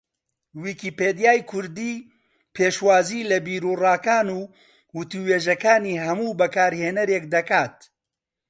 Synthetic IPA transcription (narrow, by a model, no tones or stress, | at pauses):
wikiːpeːd̪ijaːjkʰʊɾd̪iː | pʰeːʃwaːziːlɐbiːɾuːraːkaːnuː | wʊt̪uweːʒɐkaːniːɦɐmuːbɐkaːɾheːnɐɾeːk̚d̪ɐkaːt̪